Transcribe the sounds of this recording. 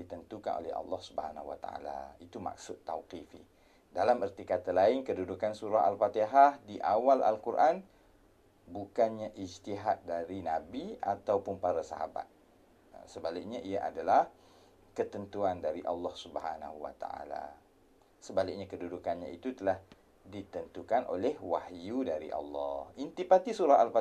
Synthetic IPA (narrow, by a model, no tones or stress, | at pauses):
dit̪ənt̪uka̰nʔo̰lɛ̰hɑ̰lːɔhsubəhana̰huwa̰t̪a̰a̰la̰it̪uma̰k̚sʊt̪ːawqifḭ | dalamərt̪ikat̪alaɪnkədudukansuɾaɦa̰lfat̪eɦahdiʔawala̰lkuɾʔan | bukanɲaʔid͡ʒt̪iɦat̪̚daɾinabiat̪awpʊnpaɾasa̰ɦa̰ba̰t̪̚ | səbalɪk̚ɲaʔiaʔa̰dalah | kət̪ənt̪uandaɾiʔɑlːɑhsubhana̰huwa̰t̪a̰a̰la̰ | səbalɪk̚ɲãkədudukanɲãit̪ut̪əlah | dit̪ənt̪ukanʔo̰lɛhwa̰hjudaɾḭʔɑ̰lːɑ̰hint̪ipat̪isuɾaɦalfa